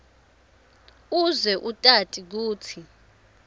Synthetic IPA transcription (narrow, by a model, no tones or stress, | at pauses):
uzwɛʔutʼatʼik̬uːtʰi